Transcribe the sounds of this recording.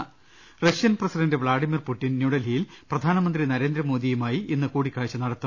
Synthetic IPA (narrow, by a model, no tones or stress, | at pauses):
rɐʂijɐnprɐsidɐndɨʋɭaːɖimirpuʈːinnjuːɽɐlijilprɐd̪ʱaːnɐmɐnd̪rinɐɾe̞ːnd̪ɾɐmoːd̪ijumaːjiʔinːɨkuːɽikʲːaːɻit͡ɕːɨnɐɽɐt̪ːɐm